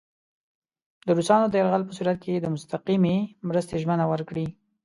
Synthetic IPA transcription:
d̪əɾusɑnod̪əjaɾɣalpəsuɾat̪̚keed̪əmʊst̪aqimemɾəst̪eʒmənawəɾkɽi

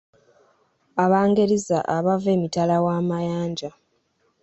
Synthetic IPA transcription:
aβaːŋɡeɾiza̰ʔaβave̞ːmitalawaːmajaːɲɟa

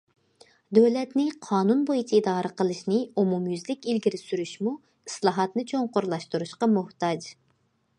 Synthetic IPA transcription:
d̪øwlɛt̪nɪqʰɑːnunbojit͡ʃʰiid̪ɑːɾʔəqəlˠɨʃnɨumumjyzlɪkʲilɡʲiɾɪsyɾyʃmu | islˠɑːɦɑt̪nɨt͡ʃʰoŋqoɾlˠɑʃt̪uɾuʃqɑmʊht̪ɑd͡ʒ

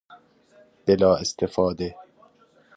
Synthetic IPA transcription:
b̥elɒːest̪ʰefɒːd̪e

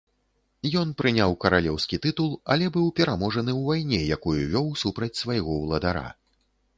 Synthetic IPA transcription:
jɔnpɾɨnʲawkɐɾalʲɛwskʲit̪ɨt̪ulˠɐ̰lʲɛbɨwpʲɛɾamɔʐɐnɨwvajnʲɛjakujuvʲɔwsupɾɐt͡sʲsvajɣɔwlˠɐd̪aɾa̰

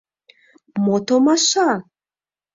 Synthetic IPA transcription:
mot̪omaʃa

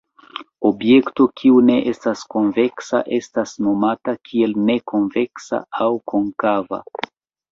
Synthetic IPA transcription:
o̞bje̞kto̞kʰiune̞ʔe̞stasko̞nve̞ksa̰ʔe̞stasno̞matakʰie̞lne̞ko̞nve̞ksa̰awko̞ŋkava̰

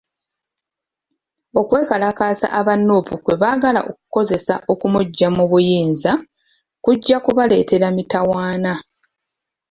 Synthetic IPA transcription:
o̞kwe̞ːkalakaːsa̰ʔaβanːoːpukwe̞βaːɡala̰ʔo̞kuko̞ze̞saʔo̞kumuɟːamuβujiːnza | kuɟːakuβale̞ːte̞ɾamitawaːna

